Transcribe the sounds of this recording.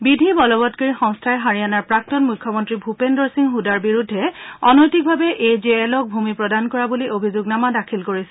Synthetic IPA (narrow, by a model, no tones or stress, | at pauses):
bidʱibɔlɔbɔtkaɹixɔ̃ŋstʰaɛɦaɹijanaɹpɹak̚tɔnmujkʰːɔmɔntɹibʱupendɔɹsiŋɦudaɹbiɹudʱːɛɔnɔjtik̚bʱabɛʔejzeɛlɔk̚bʱumipɹɔdankɔɹabuliʔobʱizʊɡnamadakʰilkoɹisɛ